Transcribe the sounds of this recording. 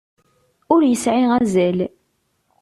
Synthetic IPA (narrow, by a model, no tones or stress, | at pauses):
ʊɾjəsʕiʁæzæl